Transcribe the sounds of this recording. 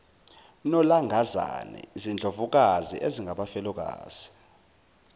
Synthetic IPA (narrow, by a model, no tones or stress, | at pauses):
nɔlaŋɡʱaza̰nɛ̰zind͡ɮʱovuk̬azḭʔeziŋɡʱaɓafɛlɔk̬a̰ːz̥i